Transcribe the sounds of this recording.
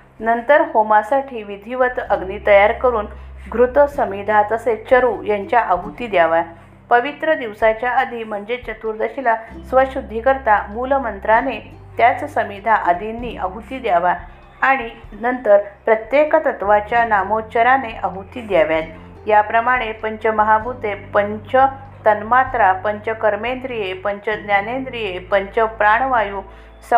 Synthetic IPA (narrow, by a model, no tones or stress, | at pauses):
nənt̪əɾhomasaʈʰiːʋid̪ʱiʋət̪əɡniːt̪əjaɾkəɾuːnɡɾut̪əsəmid̪ʱat̪əset͡ɕəɾuːjaɲt͡ɕjaʔəɦut̪iːd̪jaʋa | pəʋit̪ɾəd̪iʋsat͡ɕjaəd̪ʱim̤əɳd͡zet͡ɕət̪uɾd̪əɕilasʋəɕud̪ʱːikəɾt̪amuləmənt̪ɾanet̪jat͡ssəmid̪ʱaʔəd̪ʱinːiːʔəɦut̪iːd̪jaʋaː | ɽ̃inənt̪əɾpɾət̪jekət̪ət̪ʋat͡ɕjanamot͡ɕəɾaneʔəɦut̪iːd̪jaʋjat̪̚ | japɾəmaɽ̃epəɲt͡ɕəməɦabʱut̪epəɲt͡ɕə | t̪ənmat̪ɾapəɲt͡ɕəkəɾmend̪ɾijepəɲt͡ɕəd̪njanend̪ɾijepəɲt͡ɕəpɾaɳ̃ʋaju | s